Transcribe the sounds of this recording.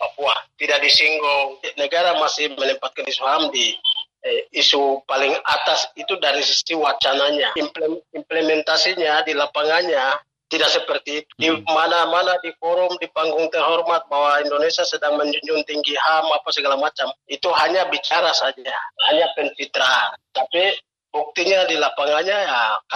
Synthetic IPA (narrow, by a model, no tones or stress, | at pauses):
papuat̪idaʔdisiŋɡɔnɛɡaɾamasɪhmɛlɛmpat̪̚kanisuɦamdi | supalɪŋat̪asit̪udaɾisisiwat͡ʃanaɲaimplɛmimplɛmɛnt̪asiɲadilapaŋaɲa | t̪idak̚sɛpərt̪iːt̪u̥dimanamanadifɔɾʊmdipaŋɡuŋt̪ɛɦɔrmat̪̚bawaindonɛsiasɛdaŋmɛɲd͡ʒuɲd͡ʒunt̪iŋɡiɦamapasəɡalamat͡ʃamit̪uɦaɲabit͡ʃaɾasad͡ʒahaɲapɛnfit̪ɾat̪api | buk̚t̪iɲadilapaŋaɲajak